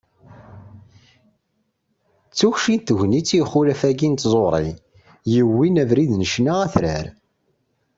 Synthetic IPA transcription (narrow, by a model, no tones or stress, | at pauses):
t͡sːuçʃit̪ːəʝnit͡sːjχːʊɾæfæɡint̪zˤoɾˤḭ | jəwːinævɾiðnəʃnaʁæθɾæ̰ɾ